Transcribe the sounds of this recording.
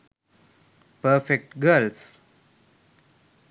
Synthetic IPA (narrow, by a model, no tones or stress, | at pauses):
pəɾfek̚ʈɡəls